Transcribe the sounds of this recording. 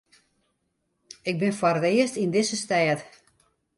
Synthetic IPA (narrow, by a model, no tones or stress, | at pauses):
ɪk̚bɪnfwarətɪəstindɪsəstɛːt